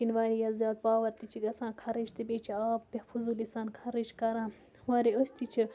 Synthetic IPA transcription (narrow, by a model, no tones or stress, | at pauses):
kinʋaːɾijɐzjaːt̪̚paːʋɐɾt̪it͡ʃʰiɡɐsãːnkʰɐɾiʃt̪ibeːt͡ʃʰiaːp̚ːepʰuzulisaːnkʰɐɾiʃkɐɾãː | waːɾiosʲt̪it͡ʃʰi